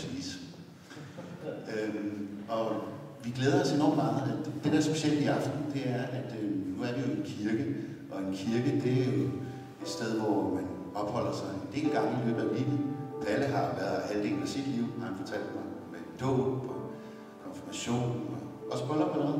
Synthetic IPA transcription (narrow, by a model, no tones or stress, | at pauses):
sʋḭːs | ømɒ̽ | ʋiɡ̥leːð̞ˠɐɒ̽se̝nɒ̰ːmmɑ̈ːð̩ˠæ̥d̥e̝d̥eɐsb̥e̝ɕel̰d̥iɑ̈fd̥n̩d̥e̝æɐʔæd̥ønuæɐɾ̥e̝jo̝e̝nkʰiɐɡ̥ə | ʔɒ̽e̝nkʰiɐɡ̥əd̥e̝æɐjo̝ | e̝d̥sd̥eð̞ˠʋɒmæn | ɒ̽b̥hɒ̽l̰ɐsɑ̈ɪnl̥e̝̰ːlɡ̥ɑ̈ŋəliʋeb̥æɐʋiʋæləɦɑ̈ʋæɐðˠælˠd̥e̝̰ːlæsid̥liʊ̰ɒmænfɒ̽t͡sʰæl̰d̥mɑmed̥ɔ̰ːb̥ɒ̽ | ɒnfɒmæɕo̝̰ːnɒʔɒ̽səb̥ʰɒlɒb̥ʰɒno